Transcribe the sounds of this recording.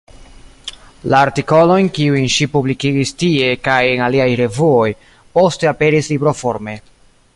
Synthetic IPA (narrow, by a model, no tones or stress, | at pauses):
laːɾtiko̞lo̞jnkiujnʃipublikiɡistie̞kajenaliajɾe̞vuo̞j | po̞ste̞ape̞ɾislibɾo̞fo̞ɾme̞